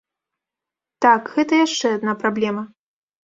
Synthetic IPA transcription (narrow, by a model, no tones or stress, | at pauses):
t̪akɣɛt̪ɐjaʂt͡ʂɛad̪napɾablʲɛmɐ